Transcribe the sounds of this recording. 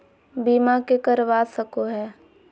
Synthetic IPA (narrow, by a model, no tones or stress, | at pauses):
biːmakekəɾʋaːsəkoɦɛː